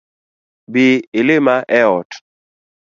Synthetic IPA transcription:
bɪɪlɪmaʔɛɔt

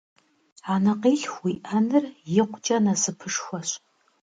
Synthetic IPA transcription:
anɐqiːɬxʷwiʔɐnɨrjɪqʷt͡ʃʼɐnɐsɨpʰɨʂxʷɔɕ

